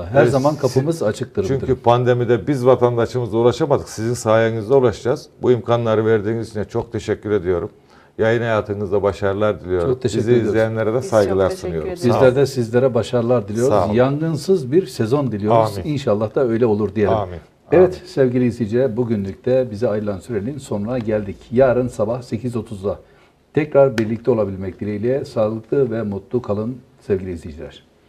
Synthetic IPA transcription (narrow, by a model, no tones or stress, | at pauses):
aɦæɾzamankʰapʰɯmɯzat͡ʃʰɯk̚t̪ɯɾt͡ʃyɲd̪cʰypʰand̪emid̪ɛbizvat̪ʰand̪aʃɯmɯzd̪aulˠaʃamad̪ɯksizinsaːjaŋɯzd̪aulˠaʃd͡ʒaz̥buimkʰanlˠaɾɯvæɾd̪iːnzit͡ʃʰinɛt͡ʃʰo̞k̚t̪ʰeʃɛcʰʲːyɾe̞d̪ijo̞ɾum | jajɯnhajaːt̪ʰɯnɯzd̪abaʃaɾɯlˠaɾd̪ilʲijot͡ʃ̞ɾok̚t̪ʰeʃiɛzieizlʲejænlʲeɾɛd̪ɛsajɡɯlˠaɾsuɯjo̞ɾumbizlʲæɾd̪ɛsizlʲe̞ɾɛbaʃaɾlˠaɾd̪ilʲijo̞ɾuzjaŋɡɯnsɯzbiɾsezo̞nd̪ilʲijoɾuzinʃalˠːahd̪aø̞jlʲɛo̞lˠuɾd̪ijelʲmin | ɛvɛt̪sevɟilʲiːzlʲijd͡ʒilʲɛbuɟynlʲyc̚t̪ʰɛbizɛajɯlˠansyɾelʲinso̞nunaɟælʲd̪icjaːɾɯnsabahse̞cʰizo̞t̪ʰuzd̪ˠa | t̪ʰɛcɾaɾbiɾlʲic̚t̪ʰɛo̞lˠabilʲmɛc̚d̪iɾʲejlʲɛsaːlˠɯklˠɯvɛmut̪lˠukʰalˠɯn | sɛvɟʲilʲizlʲijd͡ʒilʲæ̰ɾ̝̥